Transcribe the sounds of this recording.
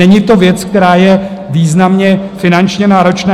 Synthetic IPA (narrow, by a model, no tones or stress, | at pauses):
ɛɲɪt̪o̞vjɛt͡sk̚t̪ɛɾaːjɛ | viːznamɲɛfɪnant͡ʃɲɛnaːɾo̞t͡ʃnaː